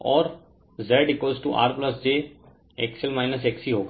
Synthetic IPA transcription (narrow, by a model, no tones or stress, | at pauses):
ɔːɾ | zeːɖɪkoːzʈuʔa̰ːɾplɐsd͡ʒeː | ɛksəlmaːɪnəsɛksiɦoːɡ